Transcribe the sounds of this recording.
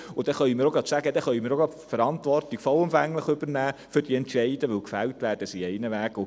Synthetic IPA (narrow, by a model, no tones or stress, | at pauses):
ʊd̥ɛχœɥimɪɾoɡɑt̪sæɡəd̥̪ɛχœɥmɪɾoɡɑfəɾɑntʋɔrtiɡ̥fɔlʊmfæŋləχʏb̥ərnæːfʏɾd̥iɛntʃɛɪdəʋɵlkfæltʋæːrd̥əsiɛɪnəʋæːɡ̥ʊ